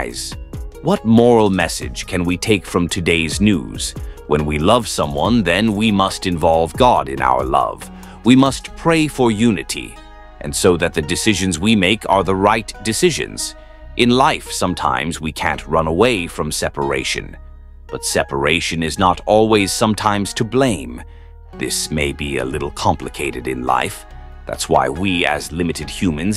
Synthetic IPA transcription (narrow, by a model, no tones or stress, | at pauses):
ɪz̥wʌt̚mɔɹl̩ˠmɛsɪ̰d̥ʒ̥kʰɨ̃nwitʰeɪkfɹʌ̃mtʰɨdeɪznʉ̰z̥wə̃nwilʌv̥sʌ̃mwʌ̃nðɨ̃nwimʌstɨ̃ɱvɑlˠvɡɑɾɨ̃na̰ʊə̰˞lʌ̰v̥ | wimʌstpʰɹ̥eɪfə˞jʉnɨɾḭ | ʔɨ̰̃nsoʊðɨt̪̚ðɨdɨsɪʒɨ̃nzwimeɪkʰə˞ðəɹaɪtd̥ɨsɪʒɨ̰̃nz̥ | ʔɨ̃nlaɪfsʌ̃mtʰã̰ɪ̃mzwikʰæ̰̃nʔɹʌ̃nəweɪfɹʌ̃msɛpə˞ḛɪʃɨ̰̃n | b̥ʌtsɛpə˞eɪʃɨ̃nɨznəɾɔlˠwiz̥sʌ̃mtʰãɪ̃mz̥tʰɨblẽɪ̃m | ðɪ̰smeɪbiɨ̰lɪɾl̩ˠkʰɑ̃mplɨkʰeɪɾɨɾɨ̃nla̰ɪf | ðæ̰tswa̰ɪwiɨ̰zlɪ̃mɨɾɨd̥̚hjʉmɨ̃nz